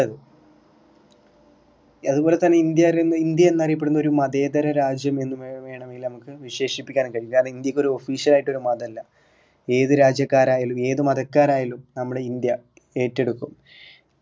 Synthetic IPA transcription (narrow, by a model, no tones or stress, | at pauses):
ɐðɨ | ɐðubo̞ːle̞t̪ːɐnːe̞ind̪jaːɾenːind̪jɐenːɐrijɐpːeɽunɐðoɾumɐðe̞ːd̪ɐɾɐɾaːd͡ʑjɐme̞nːumeʋe̞ːɳɐme̞ŋɡilnɐmukːɨʋiɕe̞ːʂipːikʲːaːnkɐɻiːaːnind̪jɐkːo̞ɾuo̞fiːʂjɐlaːjiʈːo̞ɾumɐðɐɐlːɐ | e̞ːðɨɾaːd͡ʑjɐkːaːɾaːjɐlume̞ːðumɐðɐkːaːɾaːjɐlumnɐmːuɽeind̪jɐ | e̞ːtːe̞ɽukːum